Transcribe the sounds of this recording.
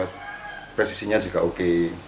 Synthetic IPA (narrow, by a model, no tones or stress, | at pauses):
apɾɛsi̥siɲad͡ʒuɡaʔoke